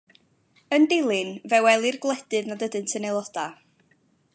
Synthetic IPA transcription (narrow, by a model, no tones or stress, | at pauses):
əndɪlˠɨnvɛwɛlˠirɡlˠɛd̥ɨðnadədɨntʰənejlˠɔd̥a